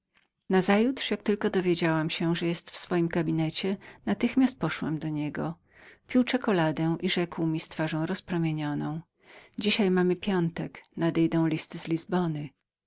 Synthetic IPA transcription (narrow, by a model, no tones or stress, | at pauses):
nazajut̪ʂjak̚t̪ɘlkɔd̪ɔvʲjed͡ʑawamɕɛʐɛjɛst̪fsfɔjimɡabʲinɛt͡ɕɛnat̪ɘxmʲjast̪̚pɔʂwɛ̰md̪ɔɲɛɡɔ̰ | pʲiwt͡ʂɛkɔlad̪ɛw̃ʔiʐɛkwmʲist̪faʐɔ̃w̃ɾɔspɾɔmʲjeɲɔnɔ̃w̃ | d͡ʑiɕajmamɘpʲjɔnt̪ɛknad̪ɛjd̪ɔ̃w̃lʲist̪ɘzlʲizbɔnɘ